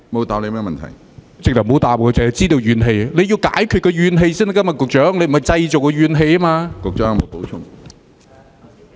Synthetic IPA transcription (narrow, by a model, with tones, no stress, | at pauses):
mo˨˧wt̪aː˨˧ple˨˧mɛː˥mɐ˨nt̪ʰɐ̰˨˩j | t͡sɪ˨k̚t̪ɐ˨˩m˨ho˨˥wt̪aː˨p̚kɔː˧t͡sɛ˨ɐ˨˩t͡siː˥t̪o˨˧wjyː˨˧nɦe˧jle˨˧jiː˧wka̰ː˨˥jkʰy˨˧kɔː˧ɥyː˨˧nɦe˧jsiː˥n˧kɐ˥mɐ˨t̚kʊ˨k̚t͡ʃœː˨˥ŋle˨˧jm˨˩˨ɐ˨jt͡sɐ˧jt͡so˨wkɔ˧ɥyː˨˧nɦe˧jmaː˧kʊ˨k̚t͡ʃœː˨˥ŋmo˨˧wpo˨˥wt͡ʃʰʊ˥ŋ